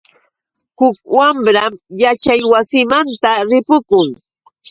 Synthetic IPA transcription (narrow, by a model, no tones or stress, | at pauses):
hʊk̚wamɾamjat͡ʃajwasɪmant̪aɾɪpʊkʊŋ